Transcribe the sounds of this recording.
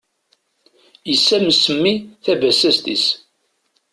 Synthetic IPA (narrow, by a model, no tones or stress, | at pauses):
jəsːæməsəmːiθævæsæst̪is